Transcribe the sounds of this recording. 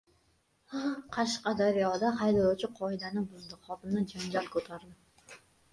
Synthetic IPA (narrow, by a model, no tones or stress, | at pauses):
qʰɑʃqɑd̪aɾjɒd̪ahajd̪alˠawt͡ʃʰɪqʰɒɪd̪anɪbʊzd̪ɪχɒt̪ɪmnad͡ʒand͡ʒalkʰɵt̪ʰaɾd̪ɪ